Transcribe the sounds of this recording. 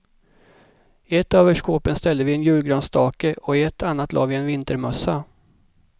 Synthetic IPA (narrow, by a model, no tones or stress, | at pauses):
ɪɛt̪ːøːvəʂkoːpənst̪ɛld̪əvɪɛnjʉ̟ːlɡɾœːnst̪ʰɑːkəʔɔɪɛt̪ʰːanːat̪lɑ̰ːvɪɛnvɪnt̪əɾmɵsːa